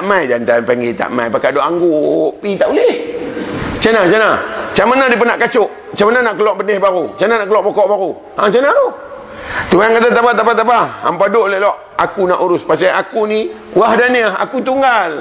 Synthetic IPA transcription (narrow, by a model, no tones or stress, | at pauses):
amajdant̪apaŋɡit̪a̰ʔma̰jpakadoʔaŋɡuʔpit̪aʔuleh | t͡ʃanat͡ʃanat͡ʃamanadipənaʔkat͡ʃoʔ | t͡ʃamananaʔkəlɔʔbənehbaɾut͡ʃananaʔkəlɔaʔpɔkɔʔbaɾu | haŋt͡ʃanat̪o | t̪uɦankat̪at̪apat̪apat̪apaa̰mpadoʔlelɔʔ | akunaʔuɾʊspasaakuni | wahdaniaha̰kut̪uŋɡal